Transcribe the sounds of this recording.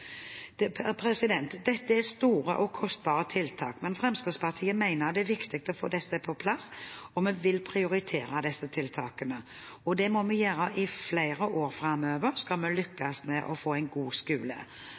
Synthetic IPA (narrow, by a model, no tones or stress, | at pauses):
pʰɾɛsɪd̪ɛnt̪d̪ɛt̪ːəæst̪uːɾə̰ʔɔkʰɔst̪̚bɑːɾət̪ʰɪlt̪ʰɑ̰ːkmɛnfɾɛmskɾɪspɑʁt̪ʰiːəmæɪnəɾd̪ɛæɾʋɪkt̪ɪk̚t̪ɔfo̰ːd̪ɛsːəpʰɔpʰlɑsɔmɛʋɪlpʰɾɪʊɾɪt̪ʰeːɾɑd̪ɛsːət̪ʰɪlt̪ʰɑːkənə | ɔd̪ɛmɔmɛjøːɾəʔɪfleɪɾəʔoːɾfɾɑmøːʋəɾskɑlmɛlʏkːɑsmɛʔɔfoːæɪnɡuːskʉːlə̰